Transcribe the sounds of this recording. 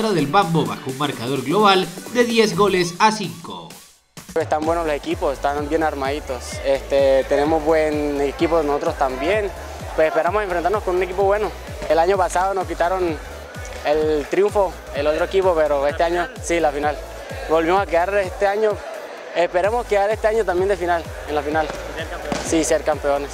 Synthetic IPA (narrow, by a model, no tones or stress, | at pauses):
ɾaðe̞lβamboβaxounmaɾkað̞o̞ɾɣlo̞β̞ald̪eðje̞zɣo̞lesasiŋko̰ | est̪ambwenolose̞kiposest̪anbjenaɾmaðit̪o̞sest̪et̪ene̞mozβwenekipoðenoso̞t̪ɾost̪ambje̞n | pwesespe̞ɾamose̞ɱfɾent̪aɾnoskonune̞kipo̞βwe̞no | elaɲo̞pasaðonoskit̪aɾo̞n | elt̪ɾjuɱfo̞ | elot̪ɾoekipo̞pe̞ɾoe̞st̪e̞aɲosilafinal | bo̞lβimosakeɣaɾest̪eaɲo | espe̞ɾemo̞skeɣaɾe̞st̪eaɲot̪ambje̞nd̪efinal | enlafinal | siseɾkampe̞one̞s